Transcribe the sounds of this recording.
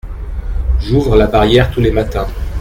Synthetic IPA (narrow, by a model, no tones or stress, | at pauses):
ʒuvʁəlabaʁjɛʁt̪ulemat̪ɛ̃